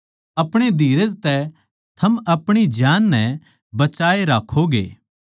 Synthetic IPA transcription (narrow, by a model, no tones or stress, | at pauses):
ɐpɽ̃ed̪ʱiːɾəd͡ʒt̪ɛ | t̪ʰɐmɐpɽ̃id͡ʒjaːnːɛ̃ | bɐt͡ʃaːeɾaːkʰoɡḛː